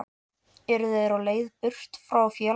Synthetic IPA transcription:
ɛɾʏðejɾawleːjðpʏr̥t̪fɾawfjɛː

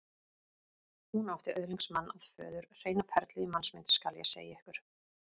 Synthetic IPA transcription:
hunawht̪ɪʔœðliŋksmanːaðfœ̰ːðʏɾr̥eːjnapʰɛɾt̪lɪimansmɪnt̪skaljɛ̰sḛːjaɛhkʏɾ̥

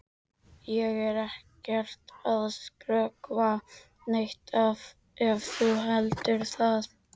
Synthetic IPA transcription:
jɛɣɛɾɛhcɛr̥t̪aðskɾœːkva | nejht̪ʰav | ɛvθuɦɛlt̪ʏɾ̥θað

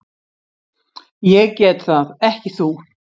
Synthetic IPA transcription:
jɛɣcɛːt̪θaðɛhcɪθu

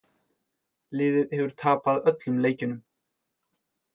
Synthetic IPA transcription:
lɪːðɪðɛvʏɾ̥t̪ʰaːpaðœt̪lʏmleːjcʏnʏm

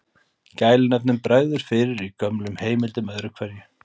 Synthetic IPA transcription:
caːjlɪnɛpnʏmpɾaːɣðʏɾ̥fɪɾɪɾikœmlʏmheːjmɪlt̪ʏmœðɾʏkʰvɛɾjʏ

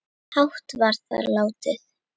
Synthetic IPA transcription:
hawht̪vaɾðθa̰ðɾlaːwt̪ɪθ

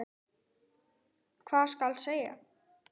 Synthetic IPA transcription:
kʰvaːðskalseːja̰

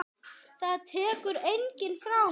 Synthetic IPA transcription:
θaðt̪ʰɛːkʏɾejɲcɪnfɾa

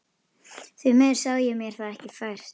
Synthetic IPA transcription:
θɥʏmɛɾ̥sawðɪjɛmjɛɾ̥θaðɛhcɪfaːjɾ̥

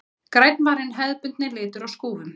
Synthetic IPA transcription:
kɾajt̪nvaːɾɪnɦɛðpʏnt̪nɪlɪːt̪ʏɾawskuːðʏm

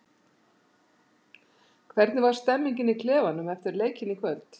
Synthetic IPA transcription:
kʰvɛɾt̪nɪvaɾ̥st̪ɛmːiɲcɪnikʰlɛːvanʏmɛft̪ɪɾleːjcʰɪnikʰvœlt̪

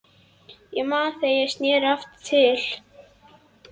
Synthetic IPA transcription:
jɛmaːnθejɛst̪njɛːɾaft̪ʰːɪl̥

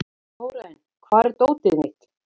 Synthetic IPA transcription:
howɾaɪn | kʰvaːɾt̪oːwt̪ɪðmɪht̪

